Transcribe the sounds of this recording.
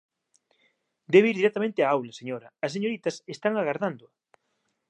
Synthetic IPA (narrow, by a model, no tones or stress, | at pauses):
d̪eβeiɾðiɾɛk̚t̪amẽnt̪ɪaawlɐseɲoɾɐːs̬eɲoɾit̪ɐsest̪aŋaɣaɾðand̪ʊ